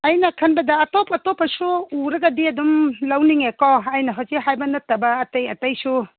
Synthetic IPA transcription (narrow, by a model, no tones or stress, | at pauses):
ajnɐkʰɐnbɐdɐːtɔpɐtɔpɐsuuɾɐɡɐdiɐdumlawniŋekɔajnɐɦazeɦajbɐnɐtːɐbɐːtajɐtajsu